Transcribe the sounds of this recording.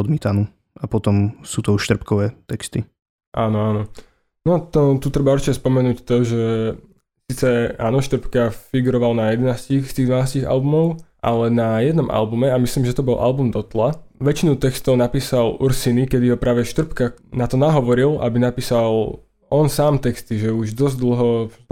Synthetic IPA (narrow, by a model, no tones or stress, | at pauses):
ɔd̪miːt̪anuː | apɔt̪ɔmsuːt̪ɔuʃt̪r̩pkɔʋɛːt̪ɛkst̪i | ʔaːnɔaːnɔ | nɔt̪ɔt̪ut̪ɾɛbauɾt͡ʃicɛspɔmɛnuːct̪ɔʒɛ | siːt͡sɛaːnɔʃt̪r̩pkafiɡuɾɔʋalnajɛd̪ɛnaːscixst̪iːɣd̪ʋanaːsciɣa̰lbumɔʊʔa̰lɛnajɛd̪nɔmʔa̰lbumɛamisliːmʒɛt̪ɔbɔlʔa̰lbumd̪ɔt̪la | ʋɛt͡ʃinut̪ɛkst̪ɔʊnapiːsalṵɾsinikɛd̪iɦɔpɾaːʋɛʃt̪r̩pkanat̪ɔnaɦɔʋɔɾila̰binapiːsal | ɔnsaːmt̪ɛkst̪iʒɛuʒd̪ɔzɟd̪l̩ˠɦɔ